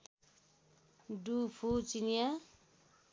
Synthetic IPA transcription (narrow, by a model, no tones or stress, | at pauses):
ɖupʰut͡sinija